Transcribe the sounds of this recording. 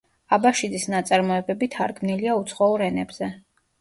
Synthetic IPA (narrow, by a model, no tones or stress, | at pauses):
abaʃid̪isnat̪sʼaɾmɔɛbɛbit̪ʰaɾɡmniliaut̪sʰχɔuɾɛnɛbz̥ɛ